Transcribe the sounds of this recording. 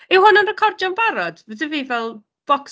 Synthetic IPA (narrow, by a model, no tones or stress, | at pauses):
ɪwhʊnənrɛkʰɔrdjɔnbaɾɔd̥ədəviːvɛlˠ | b̥ɔks